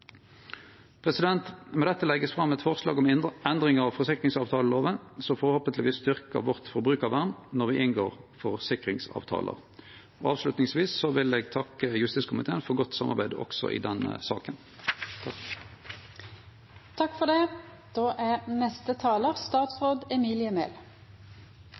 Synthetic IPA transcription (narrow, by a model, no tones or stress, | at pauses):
pʰʁɛsɪd̪ɛnt̪mɛd̪ɛt̪ːəlɛɡəsfʁɑmːɛt̪fɔʁslɑ̰ːɡɔmɪɛnd̪ʁɪŋəʁɑʋfɔʁsɪkʁɪŋsɑːʋt̪ʰɑːləloːʋənsɔfɔʁhoːpənt̪ləʋiːsst̪ʏʁkə̰ʋɔʁt̪fɔʁbʁʉːkɑʋæʁnnɔʁʋɪʔɪnɡoːʁfɔʁsɪkʁɪŋsɑ̰ːʋt̪ʰɑ̰ːlʔə̰ʁ | ɔɑːʋslʉt̪nɪŋsʋiːsːɔʋɪleːɡt̪ʰɑkːəjʉst̪iːtskʰʊmɪt̪ʰeːnfɔʁɡɔt̪ːsɑmːɑ̰ʁbæɪd̪ɔ̰ksɔ̰ʔɪ̰d̪ɛnːə̰sɑ̰ːkən | t̪ʰɑkːfɔd̪ɛ | d̪̥oːʔæʁnɛst̪ət̪ʰɑːləʁst̪ɑːt̪sʁoːd̪ɛmiːlɪəmeːl